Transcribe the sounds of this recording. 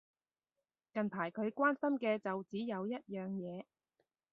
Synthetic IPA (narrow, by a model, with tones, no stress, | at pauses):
kɐ˨npʰaː˨˩jkʰɵ˨˧ɥkʷaː˥nsɐ˥mkɛː˧t͡sɐ˨wt͡siː˨˥jɐ˨˧wjɐ˥t̚jœː˨ŋjɛː˨˧